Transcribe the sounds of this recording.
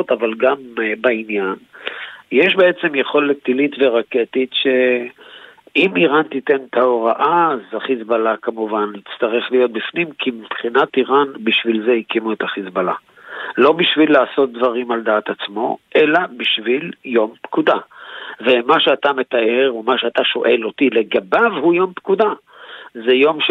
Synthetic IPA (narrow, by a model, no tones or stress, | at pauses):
t̪avalɡambainjanjeʃbe̞et͡semjeχo̞let̪ːilit̪ve̞ʁake̞t̪it̪ʃe̞ | imiʁant̪it̪e̞nt̪ʰaoʁaʔazaχisbalakamuvanit͡st̪aʁeχlijo̞t̪̚bifnimkʰimipχinat̪iʁanbiʃvilze̞hikimuet̪aχisbala | lo̞biʃvilːaːso̞t̪̚d̪vaʁimald̪aːt̪at͡smo̞ʔe̞labiʃviljo̞mpkud̪avemaʃeat̪ame̞t̪aʔe̞ʁumaʃeat̪aʃo̞̰ʔelo̞t̪ile̞ɡabavhujompkud̪a | zejo̞mʃ